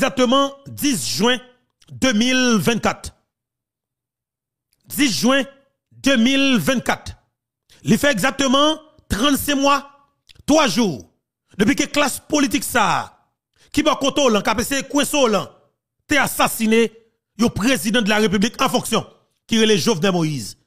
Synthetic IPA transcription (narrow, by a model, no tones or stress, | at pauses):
zak̚t̪əmʌ̃d͡zisʒwɛ̃ | d̪ømilvɛ̃nkat̪ | d͡zisʒwɛ̃ | d̪ømilvɛ̃n̚kat̪ | lifɛeɡzak̚t̪əmɑ̃ | t̪ʁãnsɛ̃mwa | t̪waʒu | d̪əpwɥikəklaspolit̪iksaː | kibɔkɔ̃t̪olãkapesekwɛ̃solɐ̃ | t̪easasine | jõpʁezid̪ãd̪əlaʁep̬yblikɑ̃fɔ̃ksjɔ̃ | kiɣeleʒovnɛlmojiz